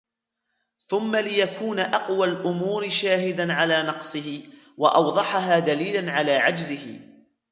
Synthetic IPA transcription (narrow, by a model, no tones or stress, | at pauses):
θʊmːalɪjakuːnaʔɑqwalʔʊmuːɾɪʃaːɦɪd̪anʕalaːnɑqsˤɨhɪ | wɑʔɑwd̪ˤɑħaɦaːd̪aliːlanʕalaːʕad͡ʒzɪhɪ̰